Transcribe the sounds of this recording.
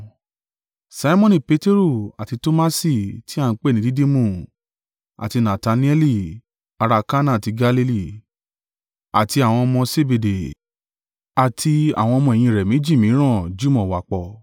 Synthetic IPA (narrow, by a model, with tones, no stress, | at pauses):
sa˦i˦mɔ̃˦nĩ˦˨pe˨˦te˦ɾu˦˨a˨ti˧to˦ma˦si˦˨ti˦a˦˧n̩˧k͡pe˦˨nĩ˨˦di˦de˦mũ˦˨ | a̰˨ti˧nã˨ta˧nĩ˦ɛ˦li˦˨ | a˧ɾa˧ka˦nã˦˨ti˧ɡa˧li˧˦li˦˨ | a̰˨ti˧a˨w̃ɔ̃˧mɔ̃˧se˦be˧de˨ | a˨tʰi˧a̰˨w̃ɔ̃˧mɔ̃˧e˨j̃ĩ˧ɾɛ˨mĩ˨˦d͡ʒi˦˨mĩ˨˦ɾ̃ã˦˨d͡ʒu˦mɔ̃˨wa˨k͡pɔ˨